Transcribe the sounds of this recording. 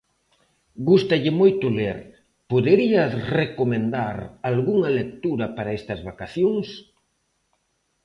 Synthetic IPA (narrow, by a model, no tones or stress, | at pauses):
ɡust̪ɐʎɪmojt̪ʊleɾ | poðeɾiɐrekomẽnd̪aɾalɣuŋɐlek̚t̪uɾɐpaɾɐɛst̪ɐzβakaθjoŋs